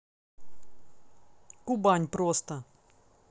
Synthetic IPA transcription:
kʊbanʲpɾost̪ə

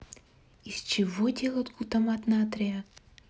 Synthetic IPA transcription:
ist͡ʃɛvɔd̪ʲɛlˠɐt̪ɡut̪ɐmat̪nat̪ɾɛa

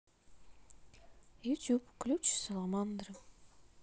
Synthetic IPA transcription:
jut̪ʲjupklʲupt͡ʃsalˠɑmɑnd̪ɾ

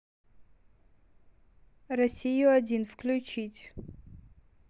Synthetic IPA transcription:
rɐsʲijʊɐdʲinfklʲʊt͡ɕitʲ

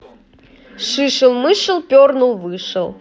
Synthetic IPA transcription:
ʂɨʂɨlˠmɨʂɨlˠpʲornulˠvɨʂɨlˠ

